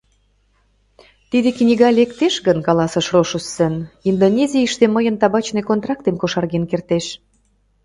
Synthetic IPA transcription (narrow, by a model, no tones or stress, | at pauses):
t̪id̪eknʲiɣɑlʲekt̪eʃɣənkɑlɑsə̆ʃroʃusːənind̪onʲezʲiiʃt̪eməjənt̪ɑβɑt͡ɕnekont̪rɑk̚t̪emkoʃɑrɣenkert̪eʃ